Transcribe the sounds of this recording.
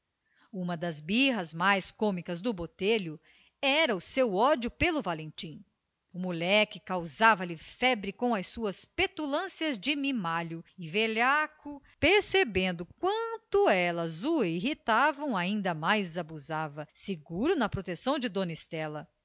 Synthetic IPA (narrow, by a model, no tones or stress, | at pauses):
ũmɐd̪ɐzbiɦɐzmajskõmikɐzd̪ʊbot̪eʎʊ | ɛɾɐʊsewɔd͡ʒʊpelʊvalẽt͡ʃĩ | ʊmulɛkɪkawzavɐlɪfɛbɾɪkõw̃ɐjsuɐspet̪ulɐ̃siɐzd͡ʒɪmimaʎʊɪveʎakʊ | peɾsebẽnd̪ʊkwɐ̃nt̪ʊɛlɐzuiɦit̪avɐ̃w̃aĩnd̪ɐmajzabuzavɐseɡuɾʊnɐpɾot̪esɐ̃w̃d͡ʒɪd̪õnist̪ɛlɐ